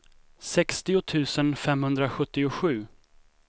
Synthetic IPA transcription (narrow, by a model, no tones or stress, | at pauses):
sɛkst̪ɪʊt̪ʰʉ̟ːsənfɛmhɵnd̪ɾaɧɵt̪ːɪʊɧʉ̟ː